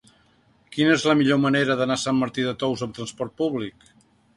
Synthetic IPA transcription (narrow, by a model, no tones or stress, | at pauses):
kinəezləmiʎoməneɾəðənasamːəɾt̪iðət̪ɔwzəmt̪ɾənspɔɾt̪̚puβlik